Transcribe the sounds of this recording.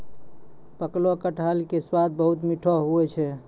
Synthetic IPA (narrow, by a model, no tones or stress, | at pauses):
pəklɔkəʈʰalkeswad̪̚bəɦut̪miʈʰɔɦuɛt͡ʃʰɛ